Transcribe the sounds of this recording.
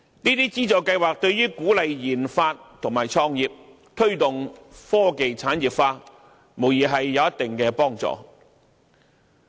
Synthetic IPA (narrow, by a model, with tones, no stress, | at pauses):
niː˥t̪iː˥t͡siː˥t͡sɔː˨kɐ˧jwaː˨k̚t̪ɵ˧ɥɥyː˥kuː˨˥lɐ˨jjiː˨˩nfaː˧t̚t̪ʰʊ˨˩ŋmaː˨jt͡sʰɔː˧ŋjiː˨p̚ | t̪ʰɵ˥ɥt̪ʊ˨ŋfɔː˥ke˨jt͡sʰaː˨˥njiː˨p̚faː˧ | mo˨˩wjiː˨˩ɦɐ˨jːɐ˨˧wjɐ˥t̪ɪ˨ŋkɛː˧pɔː˥ŋt͡sɔ̰ː˨